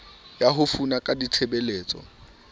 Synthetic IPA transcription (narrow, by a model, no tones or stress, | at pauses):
jaɦʊfunakʼadit͡sʰebeleːt͡sʼɔ̰